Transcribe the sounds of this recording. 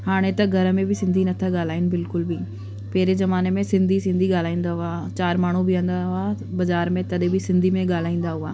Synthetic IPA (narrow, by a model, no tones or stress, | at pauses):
haːɽ̃ẽt̪ɐɡʱɐɾəmẽbɪsɪ̃nd̪ʱinɐt̪ʰaɠaːl̤aːɪnɪ̆bɪlkʊlbi | pɛːɾezɐmaːnemẽsɪ̃nd̪ʱisɪ̃nd̪ʱiɠaːl̤aːĩːn̆d̪aɦʊaːt͡ɕaːɾmaːɳ̤ubɪə̃ːn̆d̪aɦʊaː | bɐzaːɾmẽt̪ɐɗbɪsɪ̃nd̪ʱimẽɠaːl̤aːĩːn̆d̪aɦʊaː